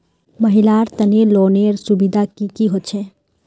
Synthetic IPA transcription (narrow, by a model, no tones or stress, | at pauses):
məɦilaɾt̪əneloːneɾsubid̪ʱakikiɦot̪t͡ʃʰɛ̃